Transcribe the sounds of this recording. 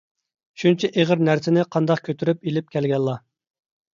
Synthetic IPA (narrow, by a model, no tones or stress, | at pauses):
ʃunt͡ʃʰɛʔeʁəɾnæɾsɪnɪqʰɑnd̪ɑqkʲʰøt̪ʰyɾypilɪp̚kʲʰɛlɡʲɛlˠːɑ